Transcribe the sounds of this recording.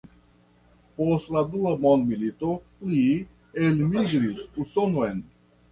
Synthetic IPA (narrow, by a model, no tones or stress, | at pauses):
poslad̪ulamɔnmilit̪opli | elmiɡɾisusonoen